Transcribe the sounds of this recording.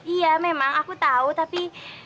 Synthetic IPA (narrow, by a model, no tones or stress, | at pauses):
ijamemaŋakut̪aut̪api